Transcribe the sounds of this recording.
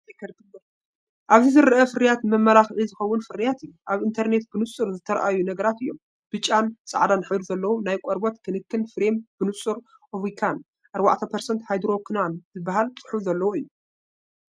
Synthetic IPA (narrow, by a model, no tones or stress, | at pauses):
ekʰɐɾɡɨmɐ | ʔaβzizɨɾɨʔɐfɨɾɨjat̪mɐmːɐlaxʕizɨxɐwːʊnfɨɾijat̪ɨjːuʔaβɨnt̪ʰɐɾne̞t̪bɨnɨsʼɨɾzɨt̪ʰːɐɾʔajunɐɡɐɾat̪ɨjːom | b̥ɨt͡ʃʼːansʼa̰ʕd̪anħɐɾuzɐlːɐwonajkʷʼɔɾbot̪kʰɨnɨkʰːɨnfɾemb̥ɨnɨsʼuɾ | ʔovikʰan | ʔaɾba̰ʕt̪ʰɐpʰɐɾsɐnt̪hajd̪ɾo̞kʰɨnanzɨbːaɦalt͡sʼɨ̥ħufzɐlːɐwoɨjːu